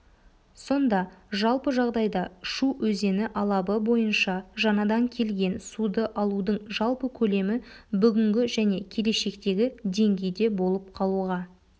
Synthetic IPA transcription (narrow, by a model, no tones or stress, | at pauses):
so̞nd̪ɑʒɑlˠpəʒɑʁd̪ɑjd̪ɑʃuɵze̞nɪʔɑlˠɑbəbo̞jənʃɑʒɑnɑd̪ɑŋkʲʰe̞lɡʲe̞nsud̪əʔɑlˠud̪əɴʒɑlˠpəkʲʰɵle̞mɪ | bʏɡʲɪŋɡʲɪʒæne̞kʲʰe̞le̞ʃe̞kt̪e̞ɡʲɪd̪e̞ŋɡʲe̞jd̪e̞bo̞lˠəp̚qʰɑlˠuʁɑ